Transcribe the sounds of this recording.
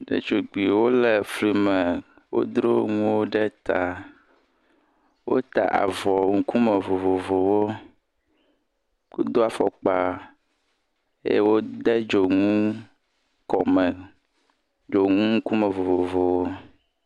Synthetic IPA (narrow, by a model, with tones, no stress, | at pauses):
ɖḛ˦t͡ʃo˨ɡ͡bi˨wo˦le˨fli˨mɛ˨ | wo̰˦d̪ɾo˦ŋũ˦wo˦ɖɛ˦t̪a˨ | wo̰˦t̪a̰˨ʔa̰˨vɔ˨ŋũ˨ku˦mɛ˨vo˨vo˨vo˨wo˦ | ko˦d̪o˦a˨fɔ˨k͡pa˨ | ḛ˦je˦wo˦d̪ɛ˦d͡ʒo˨ŋũ˦ | kɔ˨mɛ˨ | d͡ʒo˨ŋũ˦ŋu˦ku˦mɛ̃˨vo˨vo˨vo˨wo˦